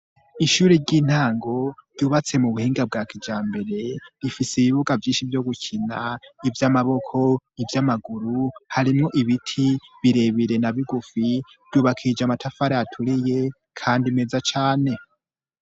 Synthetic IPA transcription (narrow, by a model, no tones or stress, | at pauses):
iʃuɾeɾɟiːn̥haːŋɡo̞ɾ̥ɟuːβat͡se̞muβuhiːŋɡab̚ɡaːkʰid͡ʒaːmbe̞ɾe̞ɾifiseiβiβuɡavjiːnʃivjo̞ɡucʰinaivjamaβo̞kʰo̞ivjamaɡuɾuhaɾimŋo̞ʔiβitʰiβiɾe̞βiɾe̞naβiɡufi | v̥ɟuːβakʰid͡ʒamatʰafaɾaatʰuɾije̞ | kʰaːndime̞zat͡ʃaːne̞